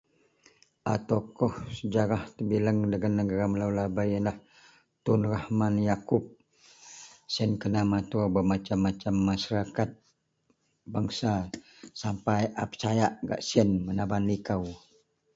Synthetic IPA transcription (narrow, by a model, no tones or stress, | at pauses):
ʔat̪akɔhsəd͡ʒaɾaht̪əbiləŋdəɡanːəɡaɾaməlawlabajənah | t̪unrahmanjakup̚ | siənkənamat̪uabəmat͡ʃamːat͡ʃamːaʃaɾakat̪̚ | baŋsa | sampajʔapə̥t͡ʃajaʔɡa̰ʔsiənmənabanlikaw